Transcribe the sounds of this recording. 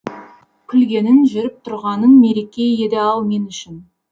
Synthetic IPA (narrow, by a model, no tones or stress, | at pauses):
kʲʰʏlɡʲe̞nɪnʒʏɾɪp̚t̪ʰʊɾʁɑnənme̞ɾe̞kʲe̞je̞d̪eɑlˠme̞nʏʃɪn